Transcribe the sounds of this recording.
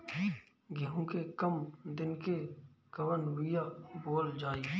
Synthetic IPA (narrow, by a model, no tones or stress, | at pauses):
ɡiɦõkekəmd̪ɪnkekəʋənwɪjaboːld͡ʒaːiː